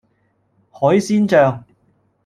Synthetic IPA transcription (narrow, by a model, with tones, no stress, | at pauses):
hɔː˨˥jsiː˥nt͡ʃœː˧ŋ